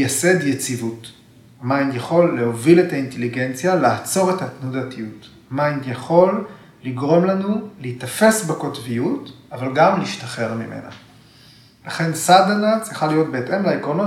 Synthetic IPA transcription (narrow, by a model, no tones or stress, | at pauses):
jase̞djet͡sivut | amainjaχo̞lːe̞ho̞vile̞tainteliɡe̞nt͡sjalaːt͡so̞ʁe̞tatnudatijut | amajnjaχo̞lː | iɡʁo̞mlanuleitafe̞sbeko̞tvijutavalɡamliiʃtaχe̞ʁmimʔe̞̰na̰ | laχe̞nsadanat͡sʁiχalijo̞t̚be̞ːtʔe̞mlaikʁo̞no